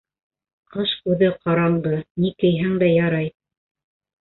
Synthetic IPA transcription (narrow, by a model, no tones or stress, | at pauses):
qɤʃʉðɘqɑɾɑnd̪ɤnikɘ̆jɦæŋd̪æjɑɾɑj